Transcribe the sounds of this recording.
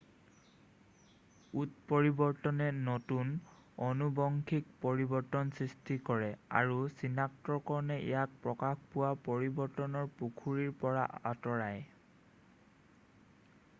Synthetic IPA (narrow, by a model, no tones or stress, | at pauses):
ut̚pɔɹibɔɹtɔnɛnɔtun | ɔnubɔŋkʰik̚pɔɹibɔɹtɔnsɹistikɔɹɛa̰ɹusinak̚tɔɹkɔɹɔnɛʔḭjak̚pɹɔkaxpʊwapɔɹibɔɹtɔnɔɹpukʰuɹiɹpɔɹa̰ʔa̰tɔɹaj